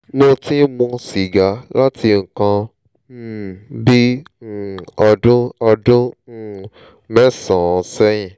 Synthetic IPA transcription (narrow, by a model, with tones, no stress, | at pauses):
mo˧tĩ˦mũ˧si˨ɡa˨˦la˦tʰi˧ŋ̩˨kã˧˨ | bi˦˨ | ɔ˧dʊ̃˦ɔ˧dʊ̃˦˨ | mɛ̃˦sɔ̃˨˧sɛ˦j̃ĩ˨